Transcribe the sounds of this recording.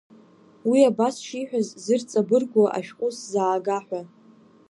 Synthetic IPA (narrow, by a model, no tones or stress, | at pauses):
wiabasʃiħʷᶣazzɨrt͡sʼabɨrɡʷaʔa̰ʃqʼʊszaːɡaħᶣʷa